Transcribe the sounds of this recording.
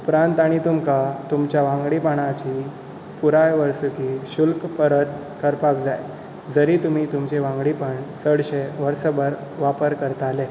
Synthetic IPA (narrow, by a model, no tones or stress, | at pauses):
upɾãnt̪aɽ̃it̪umkat̪umt͡ɕjaʋãŋɡɽipaɽ̃at͡ɕiː | puɾajʋəɾsəkiɕulkpəɾət̪̚ | kəɾpakd͡zaj | d͡zəɾiːt̪um̤iːt̪umt͡ɕeʋãŋɡɽipəɳsəɽɕeʋəɾsəbəɾ | ʋapəɾkəɾt̪ale